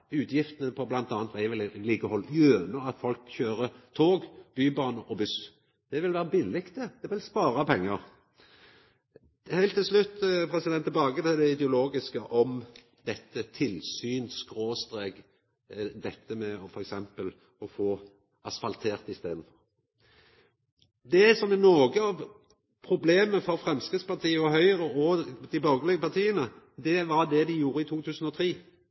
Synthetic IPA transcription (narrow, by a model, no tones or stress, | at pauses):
ʉːt̪jɪft̪ənəpʰɔblɑnt̪ɑːnt̪ʋæɪʋɪlliːkəhɔljøːnəɑt̪fɔlkçøːɾət̪ʰoːɡbyːbɑːnəʔɔbʉs | d̪̥ɛʋɪlʋæːʁəbɪlːɪkt̪əd̪̥ɛʋɪlspɑːɾɑpʰɛŋːəʁ | hæɪlt̪ːɪlslʉt̪ːpʰɾɛsɪd̪ɛnt̪ːɪlbɑːɡət̪ʰɪld̪ɛɪd̪ɛʊloːɡɪskəʔɔm | d̪ɛt̪ːət̪ʰɪlsyːnskɾoːst̪ɾeːɡ | d̪ɛt̪ːəmɛɔfɔɾɛksɛmpəl | ɔfoː | ɑsfɑlt̪ʰeːɾt̪ɪst̪ḛːd̪n̩fɔɾ | d̪ɛsɔmɛnɔːɡəɑʋ | pʰɾʊbleːməfɔɾfɾɛmskʁɪd̪spɑʁt̪ʰiːəɑɦœʏɾəɔd̪ɪbɑɡəlɛɡəpɑʁt̪ʰiːənə | d̪ɛʋɑɾd̪ɛd̪ɪjuːɾəɪt̪ʰuːt̪ʰʉːsən̩ɔt̪ʰɾiː